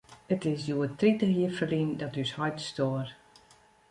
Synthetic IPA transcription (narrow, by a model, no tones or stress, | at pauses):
ətɪsjuətritəɦiəfəlindɔtyshɔjtstoːər